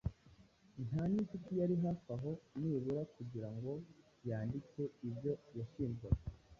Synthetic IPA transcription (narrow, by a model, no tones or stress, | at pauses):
n̥haːnit͡ʃitijaɾiɦafaɦo̞niːβuɾakuɟiɾaŋɡo̞ | jaːndit͡se̞ibjo̞jaʃiːmboɾe